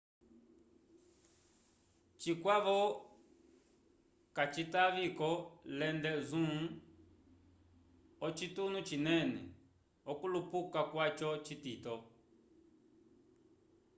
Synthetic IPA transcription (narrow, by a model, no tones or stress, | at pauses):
t͡ʃikwaβɔ | kat͡ʃit̪aβikɔlɛnd̪ɛzũ | ɔt͡ʃit̪unũt͡ʃinɛ̃nɛ̰ | ɔkulupukakwat͡ʃɔt͡ʃit̪it̪ɔ